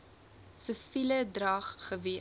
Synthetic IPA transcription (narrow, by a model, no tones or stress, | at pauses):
səfilədrɐːχχəvi